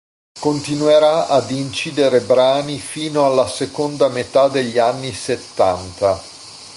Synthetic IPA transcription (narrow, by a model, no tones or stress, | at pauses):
kont̪inuweɾaad̪int͡ʃiːd̪eɾebɾaːnifiːnoalːasekond̪amet̪ad̪eʎːianːiset̪ːant̪a